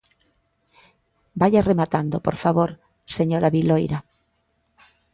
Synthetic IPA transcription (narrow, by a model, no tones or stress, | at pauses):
bajaremat̪and̪opoɾfaβoɾ | seɲoɾaβilojɾa